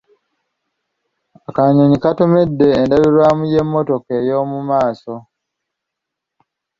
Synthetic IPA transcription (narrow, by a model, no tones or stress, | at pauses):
akaɲoɲikato̞me̞dːe̞ːndaβiɾwaːmuje̞mːo̞to̞ke̞jo̞ːmumaːso̞